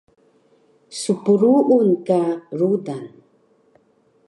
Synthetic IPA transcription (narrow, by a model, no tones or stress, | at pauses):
supuɾuʔunkaɾudan